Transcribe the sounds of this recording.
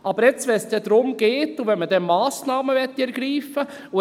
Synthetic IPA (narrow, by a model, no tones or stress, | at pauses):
ʔɑb̥əɾɛt͡svɛnsd̥ɛd̥̪ɾʊmɡ̥eːtuvɛnmədɛmɑːsnɑːməvɛtːiɛɾɡ̥ɾiːfə | u